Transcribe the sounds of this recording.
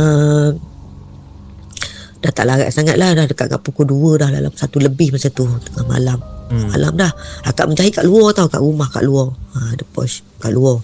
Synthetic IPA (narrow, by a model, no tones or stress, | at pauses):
ə | d̥aht̪aʔlaɣa̰ʔsaŋat̪̚lahdahdəkaʔ̪ŋa̰ʔpukuduədahla̰la̰msat̪uləbɪhmasat̪ut̪əŋama̰lamma̰la̰mdahaka̰ʔməɲd͡ʒaɦikaʔluɔt̪auwka̰ʔɾumahka̰ʔluɔədəpɔ̰ska̰ʔluɔ